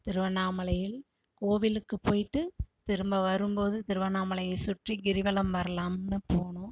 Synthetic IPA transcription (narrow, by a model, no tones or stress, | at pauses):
t̪ɪɾɯʋɐnːaːmɐlɐjɪl | koːʋɪlɯkːɯpːoːjʈːɯt̪ɪɾɯmbɐʋɐɾɯmpoːðɯt̪ɪɾɯʋɐnaːmɐlɐjɐɪsʊʈriɡɪɾɪʋɐlɐmʋɐɾɐlaːmnːɯpoːɳɯ̃